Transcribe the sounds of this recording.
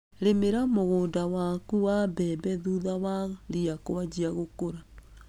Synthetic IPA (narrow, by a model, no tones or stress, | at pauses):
ɾemeɾamoɣoːndawakuwabɛbɛðuðawaɾiakowad͡ʒiaɣokoɾa